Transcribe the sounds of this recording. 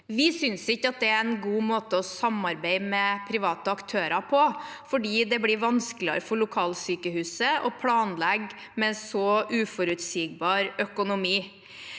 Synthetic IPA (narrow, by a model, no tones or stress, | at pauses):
ʋɪsʏnsɪkːəɑt̪̚d̪ɛæɾɛnɡuːmoːt̪əɔsɑmɑɾbeɪmɛpʰɾɪʋɑːt̪əɑkt̪ʰøːɾɑpʰɔfɔɖiːd̪ɛblɪɾʋɑnsklɪɑ̰ɾəfɔɾɭʊkʰɑːlsyːkəhʉːsəʔɔpʰlɑːnlɛɡ | mɛsɔʔʉːfɔɾʉt̪siːɡ̚bɑːɾœkʊnʊmiː